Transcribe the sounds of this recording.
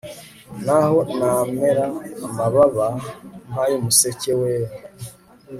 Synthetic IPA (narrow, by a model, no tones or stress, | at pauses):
naho̞nameɾamaβaβaŋajomuseceweːɾe